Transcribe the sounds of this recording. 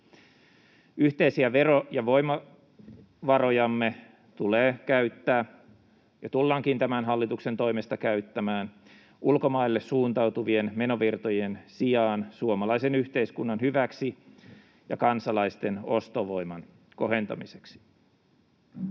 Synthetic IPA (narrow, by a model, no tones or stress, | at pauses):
yht̪e̞isiæʋe̞ɾojɑʋo̞jmɑ | ʋɑɾo̞jɑmːe̞ | t̪uleːkæyt̪ːæː | jɑt̪ulːɑːŋkint̪æmænɦɑlːit̪ukse̞nt̪o̞imest̪ɑkæyt̪ːæmæːn | ulko̞mɑilːe̞ssuːnt̪ɑwt̪uʋie̞nme̞no̞ʋirt̪o̞je̞nsijɑːnsuomɑlɑise̞nyçt̪e̞iskunːɑnɦyʋæksi | jɑ̰kɑnsɑlɑist̪e̞no̞st̪oʋo̞jmɑn | ko̞ɦe̞nt̪ɑ̰mise̞̥ksi̥